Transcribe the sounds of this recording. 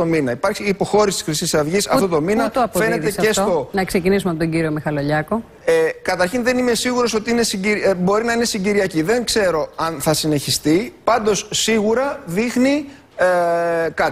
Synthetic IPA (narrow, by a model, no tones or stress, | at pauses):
ominɐipɐɾçiːpo̞xo̞ɾisiti̥xɾisisɐvʝisɐft̪ot̪o̞minɐt̪ɐpofe̞ne̞ðt̪esest̪o̞nɐkse̞cinis̬umeɐp̬ot̪oɲɟiɾio̞mixɐlo̞ʎɐko̞ | ekɐt̪ɐɾçinðe̞nime̞siɣuɾoso̞t̪iine̞siɲɟiɾbo̞ɾinɐine̞siɲɟiɾiɐciðeŋkse̞ɾo̞ɐnθɐsine̞çist̪ipɐnd̪o̞sːiɣuɾɐðixni | kɐt̪